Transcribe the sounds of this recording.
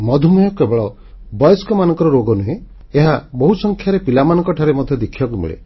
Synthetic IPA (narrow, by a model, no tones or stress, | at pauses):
mɔd̪ʱumɔjɔkebɔɭɔ | bɔjɔskɔmanɔŋkɔɾɔɾoɡɔnuɦẽ | eɦabɔɦusɔŋkʰjaɾepilamanɔŋkɔʈʰaɾemɔd̪ʱjɔd̪ekʰibakumḭɭḛ